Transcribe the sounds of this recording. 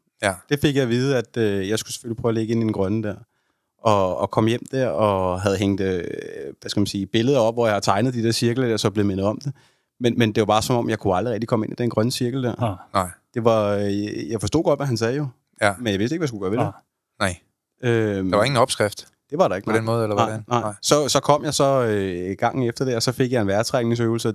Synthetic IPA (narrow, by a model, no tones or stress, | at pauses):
d̥e̝fe̝ɡ̥jɑ̈ʋiːð̞ˠæd̥øjɑɪsɡ̥use̥følipʰʁœʊːleɡ̥əe̝nid̥enɡ̥ʁɶnəd̥æɐ̰ | ʔɒ̽ːkʰɒ̽m̰jem̰d̥æɐ̰ɒ̽ɦæð̞̩ˠɦeŋ̰d̥ | ʋæskæmænsiːb̥e̝ləð̞ˠɐɒ̽b̥ʋɒjɑ̈hɑt͡sʰɑ̈ɪnəð̞̩ˠd̥id̥eɐ̰siɐɡ̥l̩ədæɐsɒ̽b̥le̝ð̩ˠmenð̞̩ˠɒ̽md̥e̝ | menmend̥e̝ʋɑ̈bɑ̈ːsɒ̽mɒ̽m̰jɑ̈ɪkʰuɑ̈ld̥ʁiʁɛɡ̚d̥ikʰɒ̽məe̝nid̥enɡ̥ʁɶnəsiɐɡ̥l̩d̥æɐ̰nd̥e̝ʋɑ̈jɑ̈ɪfɒsdo̝̰ːɡ̥ɒ̽d̥ʋæɦænsɛːðəjo̝ | menjɑ̈ʋe̝sd̥e̝ɡ̥ʋæskuɡ̥ɶːɐʋede | øɑeŋn̩ɒb̥sɡ̥ʁafd̥ | d̥e̝ʋɑ̈ɾɑ̈e̝ɡ̥ndenmɔ̽ːð̩ˠelɐɑ̈ɪnɑ̈ɪsɒ̽sɒ̽kʰɒ̽m̰jɑ̈ɪsɒ̽øɡ̥ɑ̈ŋ̰n̩efd̥ɐd̥eɐɒsɒ̽fe̝ɡ̥jɑ̈e̝nʋæɐt͡sʰʁaɡ̥ne̝ŋsøʊl̩sə